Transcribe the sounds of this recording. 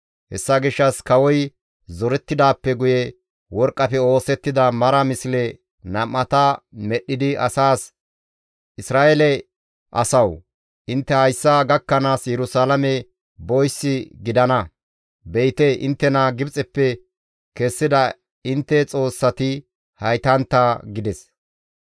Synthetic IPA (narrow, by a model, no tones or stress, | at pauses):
hɛ̰sːɐɡɪʃːɐskɐwɔj | zɔɾɛt̪ːɪd̪aːpːɛɡʊjɛ | wɔɾkʼːɐfɛo̞ːsɛt̪ːɪd̪ɐmɐɾɐmɪslɛ | nɐmːɐt̪ɐmɛɗːɪd̪ɪɐsaːs | ʔɪsɾaːɛlɛ | ʔɐ̰sɐw | ʔɪnt̪ːɛhɐjsːaɡɐkːɐnaːsjɛɾʊsaːlɐmɛ | bɔjsːɪɡɪd̪ɐnɐ | bɛjt̪ɛʔɪ̰nt̪ːɛnaːɡɪbt͡sʼɛpːɛ | kɛsːɪd̪ɐ | ɪnt̪ːɛt͡sʼo̞ːsːɐt̪ɪ | hɐjt̪ɐnt̪ːɐɡɪd̪ɛs